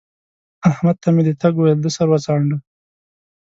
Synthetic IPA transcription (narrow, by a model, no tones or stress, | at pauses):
ahmad̪̚t̪ʰamed̪et̪aɡuwajld̪əsaɾwat͡sɑɳɖə